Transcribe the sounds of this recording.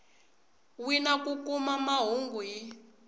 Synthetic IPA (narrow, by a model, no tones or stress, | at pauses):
winakukumamaɦuŋɡuɦi